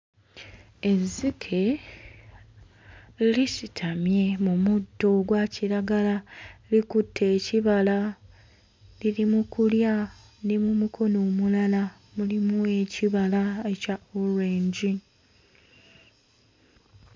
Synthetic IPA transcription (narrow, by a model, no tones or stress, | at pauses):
ezːikʰe̞ | lisitʰamje̞mumudːo̞ɡwaciɾaɡalalikutʰːe̞ːciβala | lilimukulja | nemumukʰo̞no̞ːmulala | mulimue̞ciβalaecaoɾeːɲɟi